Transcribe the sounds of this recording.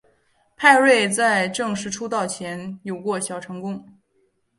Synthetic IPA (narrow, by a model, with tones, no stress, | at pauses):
pʰa˥˧ɪɻwe˥˧ɪt͡sa˥˧ɪʈ͡ʂɤ˥˧ŋʂɻ̩˥˩ʈ͡ʂʰu˥t̪ɑ˥˩ʊt͡ɕʰjɛ˧˥njo˨˩ʊkwɔ˥˩ɕjɑ˨˩ʊʈ͡ʂʰɤ˧˥ŋkʊ˥ŋ